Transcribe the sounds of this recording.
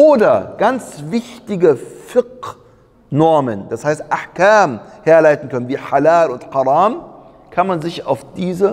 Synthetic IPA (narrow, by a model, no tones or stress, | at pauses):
ʔoːdɐɡ̥ant͡svɪçtɪɡəfɪq | nɔɐmənd̥ashaɪstʔaħkaːmheːɐlaɪtn̩kœnənviːħalaːlʊntħɑʁɑːm | kʰanmanzɪça̰ʊfd̥iːzə